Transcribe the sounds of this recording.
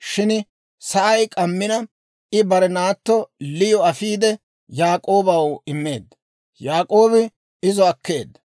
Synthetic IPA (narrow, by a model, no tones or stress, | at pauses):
ʃɪn | sɐʔɐjkʼɐmːɪnɐ | ɪbɐɾɛnaːt̪ːɔlɪjɔɐfiːd̪ɛ | jaːkʼo̞ːbɐwɪmːe̞̰ːd̪ːɐ | jaːkʼo̞ːbɪ | ɪzɔɐkːe̞̰ːd̪ːɐ̥